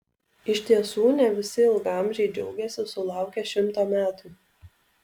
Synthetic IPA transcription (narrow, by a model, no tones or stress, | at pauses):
ɪʃʲt̪ʲiɛsuːnʲɛʋʲɪsʲɪɪlˠɡɑˑmʲʒʲɛɪd͡ʒʲɛʊɡʲɛsʲɪsʊlˠɑˑʊkʲɛʃʲɪmˑt̪oːmʲæːt̪uː